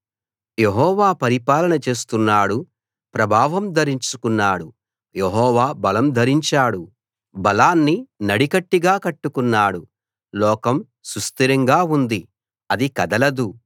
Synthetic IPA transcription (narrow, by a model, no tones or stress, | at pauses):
jeɦɔːʋaːpɐɾipaːlɐnɐt͡ʃe̞ːs̬t̪unːaːɽu | pɾɐbʱaːʋɐmd̪ʱɐɾiɲt͡ʃukunːaːɽu | jeɦɔːʋaːbɐlɐmd̪ʱɐɾiɲt͡ʃaːɽu | bɐlaːnːinɐɽikɐʈːiɡaːkɐʈːukunːaːɽu | lɔːkɐm | sɾust̪iɾɐŋɡaːund̪i | ɐd̪ikɐd̪ɐlɐd̪u